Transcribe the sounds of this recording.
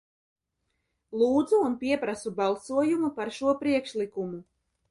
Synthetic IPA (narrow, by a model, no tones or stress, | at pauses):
lˠuːd̪zuːnpiɛpɾasubɑlˠsuɔjumupaɾʃuɔpɾiɛkʃlikumu